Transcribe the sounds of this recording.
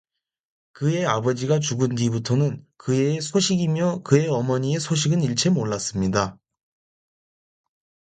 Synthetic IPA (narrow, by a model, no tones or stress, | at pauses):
kɯe̞abʌd͡ʑiɡat͡ɕuɡɯndibutʰonɯnkɯesʰoɕʰiɡimjʌkɯe̞ʌmʌɲie̞sʰoɕʰiɡɯniɭt͡ɕʰe̞moɭːas͈ɯmɲida